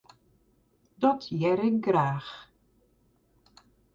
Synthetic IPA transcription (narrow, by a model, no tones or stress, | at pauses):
dɔtʰjɛɾɪŋɡraːx